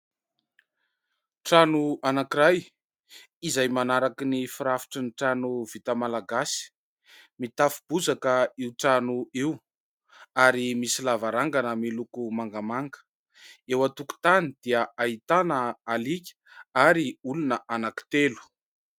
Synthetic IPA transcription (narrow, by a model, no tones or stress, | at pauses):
ʈ͡ʂanuanakiɾaj | izajmanaɾakinifiɾafi̥ʈ͡ʂəniʈ͡ʂanuvit̪amalaɡasi̥ | mit̪afub̥uzakəiuwʈ͡ʂanuiw | aɾimisilavaɾaŋɡanəmilukumaŋɡamaŋɡə̥ | ewat̪uku̥t̪anid̪̥iəait̪anəalikʲə̥aɾiulunəʔanaki̥t̪elu̥